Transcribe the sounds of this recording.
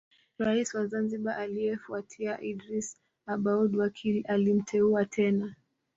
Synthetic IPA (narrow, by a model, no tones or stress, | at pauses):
ɾaisiwazanziɓaʔaliɛfuatʰiaʔidɾis | aɓaudwakialim̩tʰɛuatʰɛna